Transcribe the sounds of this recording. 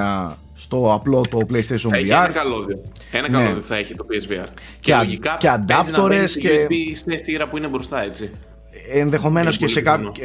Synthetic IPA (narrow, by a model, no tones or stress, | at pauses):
ɐ | st̪o̞ɐplo̞t̪o̞plejist̪ejʃonviɐɾkɐloðio | enɐnɐleoðioθɐeçit̪opiezviɐɾ | ceɐʝikɐceɐd̪ɐp̪oɾe̞sceiseθiɾɐpuinebɾost̪ɐe̞t͡si | enðe̞xo̞me̞noscesekɐ